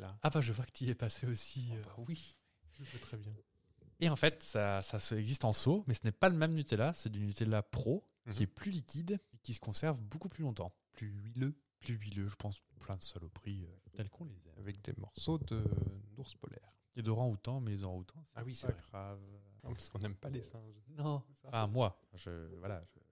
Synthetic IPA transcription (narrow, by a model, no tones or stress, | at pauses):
laabaʒəvwakə̥t̪iɛpaseosiøawi | ʒəvøt̪χɛbjɛ̃ | eɑ̃fɛt̪sasasɛɡzist̪ɑ̃somɛsənɛpaləmɛmnyt̪elasɛt̪ynːyt̪elapχo | kʲiɛplylikʲid̪ekʲisə̥kɔ̃sɛʁvbokuplylɔ̃t̪ɑ̰̃plyɥilø | plyɥiløʒəpɑ̃splɛ̃d̪əsalopχiøt̪ɛlkʰɔ̃lezɛavɛk̚d̪ḛmɔ̰ʁsod̪ənuʁspɔ̰lɛ̰ːʁ | ed̪ɔʁɑ̃ut̪ɑ̃mɛlezɔʁɑ̃ut̪ʰɑ̃sɛ̥awisɛɡʁavɔ̰̃pḁskɔ̃nɛmpalesɛ̃ʒnɔ̃fɛ̃mwa | ʒə̰vwalaʒə